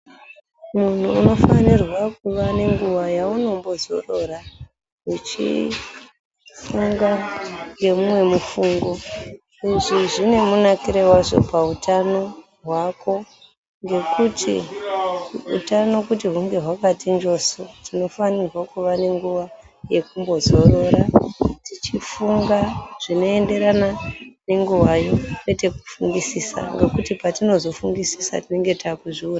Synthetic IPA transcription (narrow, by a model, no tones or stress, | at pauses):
mun̤uːno̞fanirwak̚uʋane̞ŋɡuʋajauno̞mbo̞zo̞̰ro̞ra | ɦut͡ʃḭ | fuŋɡaŋɡe̞mumwe̞mufuːŋɡo̞ | iʐiʐine̞munakiɾewaʐo̞̰pautʰano̞ | ɦwakʰo̞ | ŋɡe̞kutʰḭ | ṵtano̞kut̬iɦuŋɡe̞ɦwakatiɲd͡ʒo̞so̞tino̞fanirwakuʋane̞ŋɡuʋa | je̞kumbo̞zo̞ɾo̞ɾatit͡ʃifuŋɡaʐ̥ino̞e̞nde̞ɾanane̞ŋɡuwajo̞kwe̞te̞ku̥fuŋɡisisa̰ŋɡe̞kutipatino̞zo̞fuŋɡisisa̰tine̞ŋɡe̞takuʐiuːra